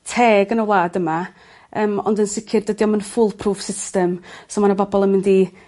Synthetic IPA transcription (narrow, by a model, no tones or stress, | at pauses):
tʰɛːɡənəwlˠaːdəma | əːmɔ̰ndənsɪkʰɪrdədiɔmənfʊlˠpʰruːfsɪstəmsɔmanəbɔbɔlˠəmɪndi